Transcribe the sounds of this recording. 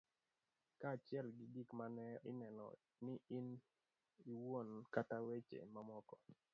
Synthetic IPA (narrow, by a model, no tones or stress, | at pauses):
kaːt͡ʃɪɛlɡɪɡikmanɛɪ̰nɛnɔ̰ | nɪin | iwonkatawet͡ʃḛmamɔkɔ